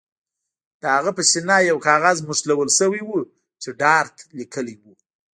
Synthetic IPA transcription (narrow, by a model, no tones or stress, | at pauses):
d̪̥əhaɣapəʃinɑjawkɑɣazmʊslawəlʃəwijwu | t͡ʃeɖɑɾt̪likʰəliwu